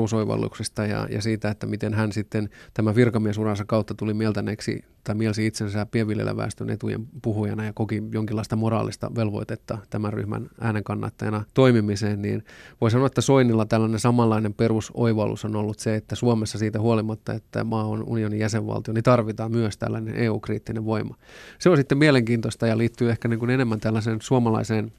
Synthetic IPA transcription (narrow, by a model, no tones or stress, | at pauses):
usoiʋɑ̰lːṵksist̪ɑjɑ̰jɑ̰siːt̪æet̪ːæmit̪enɦænsit̪ːent̪æmæʋirkɑmiesurɑnsɑkɑut̪ːɑt̪ulimiɛlt̪æneksḭ | t̪ɑimielsiit̪sensæːpieʋʋiljḛlːæ̰ʋæ̰ːst̪ynḛt̪ujḛmpuhujɑnɑjɑkokijoŋkilːɑist̪ɑmorɑ̰ːlːist̪ɑ̰ʋelʋo̰it̪et̪ːɑt̪æmærry̰hmæ̰nʔæːneŋkɑnːɑ̰t̪ːɑjɑnɑt̪oimimiseːnnḭːnʋois̬ɑnoɑet̪ːæsoinilːɑt̪ælːænensɑmɑlːɑinemperuso̰iʋɑlṵsonolːut̪seet̪ːæsuomesːɑsiːt̪æhuolimɑt̪ːɑet̪ːæ̰mɑːonṵnionijæseʋʋɑ̰lt̪ionit̪ɑrʋit̪ɑːmmyøst̪æ̰lːænḛnʔeːuːkriːt̪ːineʋʋoimˑɑseonsit̪ːemieleŋkiːnt̪ost̪ɑjɑliːt̪ːyːehkæniːŋkunenemːænt̪ælːæseːnsuomɑlɑ̰iseːn